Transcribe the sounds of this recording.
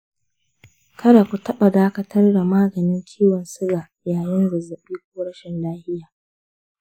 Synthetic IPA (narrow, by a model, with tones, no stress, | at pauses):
kʰɐ˦ɽa˨kʷu˨tɐ˦ɓa˨daː˦kɐ˦tʰɐ˦rda˨maː˦ɡɐ˨nɪ˦ŋkʲʰiː˦wɔ˨nsʊ˦ɡaː˨ | jaː˨jɪ˦nɡʊ˨zɐ˨ɓiː˦kʷuː˦ɽɐ˦ʃɪ˨nlaː˦hɪ˦jaː˨